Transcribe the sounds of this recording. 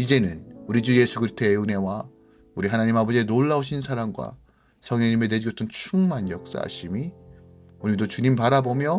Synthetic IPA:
id͡ʑe̞nɯnuɾid͡ʑuje̞sʰuɡɯɭtʰe̞une̞wa | uɾiɦanaɲimabʌd͡ʑienoɭːaoɕʰinsʰaɾamɡwa̰ | sʰʌŋɲeɲimede̞d͡ʑijʌt͈ʌnt͡ɕʰuŋmanjʌk̚s͈a̰ɕʰimi | onidot͡ɕuɲimpaɾabomjʌ

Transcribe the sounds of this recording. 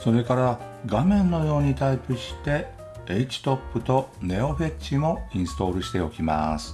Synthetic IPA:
so̞ɾe̞kaɾa | ɡamẽ̞nːo̞jo̞ːɲ̟it̪aipɯ̟ɕi̥t̪e̞ | eit͡ɕi̥t̪o̞pːɯ̟t̪o̞ne̞o̞ɸe̞t͡ɕimo̞ĩɰ̃sɨ̥t̪o̞ːɾɯ̟ɕi̥t̪e̞o̞kʲima̰sɨ̥

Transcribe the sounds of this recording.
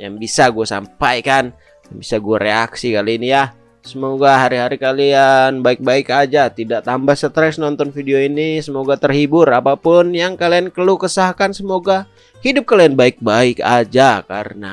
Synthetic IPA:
ja̰ŋbisaɡuasa̰mpajkan | jaŋbisaɡuaɾeaksikaliːnija | səmoɡaɦaɾiɦaɾikalianbaɪk̚baɪkad͡ʒat̪idaʔt̪ambahsət̪ɾɛsnɔnt̪ɔnfidioinisəmoɡat̪ərhibʊrapapʊnjaŋkaliankəlukəsahkansəmoɡa | hidʊp̚kalianbaɪk̚baɪka̰d͡ʒaka̰ɾəna

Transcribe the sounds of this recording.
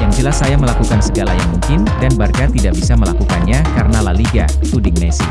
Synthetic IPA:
jaŋd͡ʒəlasːajaməlakukansəɡalajaŋmuŋkɪndanbarkat̪idaʔbisaməlakukanɲakaɾənalaliɡa̰ | t̪udɪŋmɛsi

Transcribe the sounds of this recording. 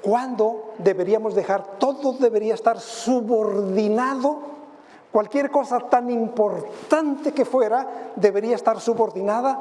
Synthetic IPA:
kwand̪o̞d̪e̞βe̞ɾiamo̞zðexaɾt̪o̞ðoðe̞βe̞ɾiaest̪aɾsuβo̞ɾðinaðo | kwalkje̞ɾko̞sat̪animpo̞ɾt̪ant̪ekefwe̞ɾad̪e̞βe̞ɾiaest̪aɾsuβo̞ɾðinaða

